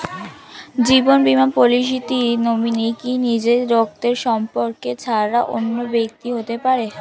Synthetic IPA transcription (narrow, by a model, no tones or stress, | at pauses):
d͡ʑibonbimanpoliʃ̬it̪inominikinid͡ʑeɾok̚t̪eɾʃɔmpoɾket͡ɕʰaɾaʔo̰nːobek̚t̪iɦot̪epaɾe